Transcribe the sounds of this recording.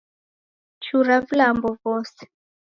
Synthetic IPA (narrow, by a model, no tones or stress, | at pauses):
t͡ʃuɾavulambɔvɔːsɛ̥